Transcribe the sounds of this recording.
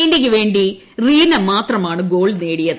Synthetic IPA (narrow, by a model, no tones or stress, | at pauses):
ndek̬ʲːɨʋe̞ːɳɖi | riːnɐmaːt̪rɐmaːɳɨɡo̞ːɭneːɽijɐðɨ